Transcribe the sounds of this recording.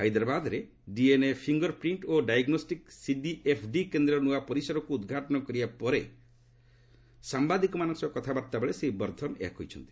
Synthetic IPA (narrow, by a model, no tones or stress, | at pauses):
ɦajd̪ɾabad̪ɔɾe | ɖienepʰiŋɡɔɾpɾiɳʈoɖajɡnosʈiksiɖiʔepʰɖikend̪ɾɔnuapɔɾisɔɾɔkuːd̪ɡʱaʈɔnɔkɔɾibapɔɾe | sambad̪ikɔmanɔŋsɔkɔt̪ʰabaɾt̪abeɭeseibɔɾd̪ʱɔnḛɦakɦo̰jt͡ʃʰɔnt̪i̥